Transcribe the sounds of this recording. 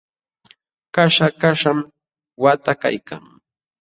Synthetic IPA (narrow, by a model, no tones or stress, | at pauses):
kaʃakaʃam | wat̪aka̰jkʰa̰ŋ